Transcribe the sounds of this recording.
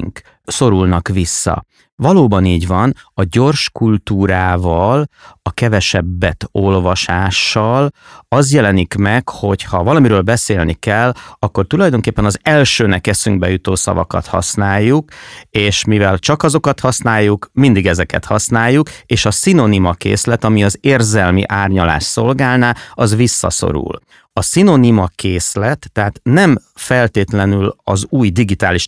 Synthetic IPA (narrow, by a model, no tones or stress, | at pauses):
ŋk | so̞ɾulnɒkʋisːɒ̰ | vɒloːbɒniːɟvɒnɒɟo̞rʃkult̪uːɾaːvɒlɒkɛvɛʃɛbːɛt̪o̞lvɒʃaːʃːɒlɒzjɛlɛnikmɛkho̞chɒvɒlɒmiɾøːlbɛseːlnikɛlːɒkːo̞rt̪ulɒjd̪o̞ŋkeːpːɛnɒzɛlʃøːnɛkɛsyŋɡ̚bɛjut̪oːsɒ̰vɒ̰kɒ̰t̪hɒ̰snaːjːukeːʃmivɛlt͡ʃɒkɒzo̞kɒt̪hɒsnaːjːukmind̪iɡɛzɛkɛ̰t̪hɒsnaːjːukeːʃɒsino̞nimɒkḛːslɛt̪ɒmiɒzeːrzɛlmḭʔaːrɲɒla̰ːʃso̞lɡaːlnaɒzʋisːɒ̰so̞̰ɾṵl | ɒsino̞nimɒkeːslɛt̪ːɛɦaːt̪nɛmfɛlt̪eːt̪lɛnylɒzuːjd̪iɡit̪aːliʃ